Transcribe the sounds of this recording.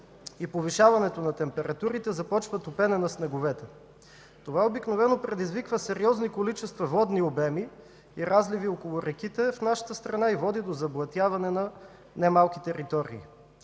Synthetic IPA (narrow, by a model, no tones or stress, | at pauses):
ipoviʃavɐnɛt̪onɐt̪ɛmpɛɾɐt̪uɾit̪ɛzɐpɔt͡ʃvət̪opɛnɛnɐsnɛɡovɛt̪ɛ | t̪ovaobiknovɛnopɾɛd̪izvikvəsɛɾiɔznikolit͡ʃɛst̪vɐvɔd̪niobɛmi | iɾʔazliviokolˠʊɾʔɛk̟it̪ɛfnaʃə̥t̪əst̪ɾɐnaivɔd̪id̪ozɐblˠɐt̪javɐnɛnɐ | nɛmalˠkit̪ɛɾit̪ɔɾḭː